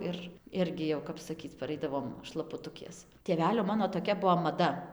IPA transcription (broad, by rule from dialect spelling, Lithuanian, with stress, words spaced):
ˈɪr ˈɪrʲɡʲɪ jɛʊ kɐp sɐˈkʲiːt͡s pɐˈrɐɪdɐʋoːm ʃlˠɐpʊˈtʊkʲeːs tʲeːˈʋʲæːlʲoː ˈmɑːnoː toːˈkʲɛ ˈbuɔ mɐˈdɐ